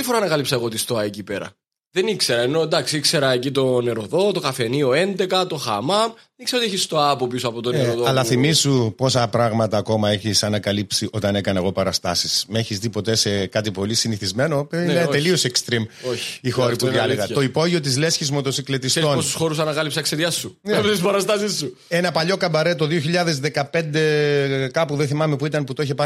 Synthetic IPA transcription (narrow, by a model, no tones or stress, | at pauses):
ifoɾɐnɐkɐlipsɐeɣo̞t̪ist̪oɐecipe̞ɾɐ̰ | ðe̞nikse̞ɾɐeno̞d̪ɐksikse̞ɾɐecit̪o̞ne̞ɾo̞ðo̞t̪o̞kɐfe̞nio̞e̞nd̪e̞kɐt̪o̞xɐ̰mɐ | nikseɾot̪eçist̪oɐpo̞pisuɐpot̪oneɾoðoɐlɐθimisupo̞sɐpɾɐɣmɐt̪ɐːko̞mɐeçisɐnɐkɐlipsiʔo̞t̪ɐne̞kɐnɐe̞ɣo̞pɐɾɐst̪ɐsismeçist̪ipo̞t̪e̞sekɐt̪̬ipo̞lisiniθizme̞nopeinet̪e̞lio̞sekst̪ɾimoçixo̞ɾipuððiɐleɣɐt̪o̞ipo̞ʝio̞t̪̬izle̞sçizmo̞t̪o̞siklet̪ist̪o̞nost̪u̥sxo̞ɾus̬ɐnɐkɐlipsɐkseɾjɐsuneept̪ispɐɾɐst̪ɐsisːu | e̞nɐpɐʎo̞kɐbɐɾet̪o̞ðioçiʎɐðe̞zðe̞kɐpe̞nd̪e̞kɐpuðeθimɐme̞puit̪ɐnput̪oiçepɐ